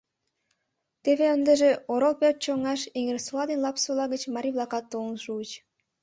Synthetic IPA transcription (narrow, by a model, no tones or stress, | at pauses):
t̪eveənd̪əʒeoɾolˠpʲet̪̚t͡ɕoŋɑʃiŋeɾsuɑd̪inlˠɑpsulˠɑɡə̆t͡ɕmɑɾʲiblˠɑkɑt̪ːonʃut͡ɕ